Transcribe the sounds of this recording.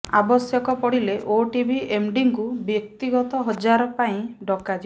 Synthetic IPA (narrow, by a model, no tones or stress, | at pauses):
a̰bɔsjɔkɔpɔɽileʔoʈibʱiʔemɖiŋkubjɔk̚t̪iɡɔt̪ɔɦɔd͡ʒaɾɔpaĩɖɔkad͡ʒi